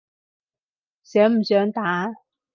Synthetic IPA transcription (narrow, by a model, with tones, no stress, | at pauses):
sœː˨˥m̩˨˩sœː˨˥ŋt̪aː˨˥˦